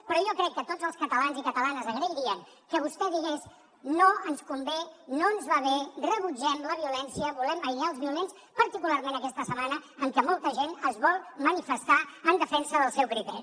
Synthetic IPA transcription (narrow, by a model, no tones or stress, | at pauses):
pɾɔjɔkɾɛkːət̪odzəlˠskət̪əlanzikət̪əlanəzəɣɾeɾiəŋ | kəβ̞ust̪ɛðiɣes | noənskumbenoənzβaβerəβud͡ʒɛmləβiulɛnsiəβulɛməjʎaəlˠzmulens | pəɾt̪ikulaɾmẽnəkɛst̪əsəmanəəŋkɛmɔlˠt̪əʒenəzβɔlˠmənifəst̪aənd̪əfɛnsəðəlˠsɛwkɾit̪ɛɾi